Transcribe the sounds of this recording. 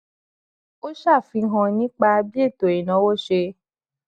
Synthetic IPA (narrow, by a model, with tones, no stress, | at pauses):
o˦ʃa˦˨fi˧˦ɦã˧nĩ˦k͡pa˧bi˦e˦˨to˨i˨nã˨˦wo˦ʃe˧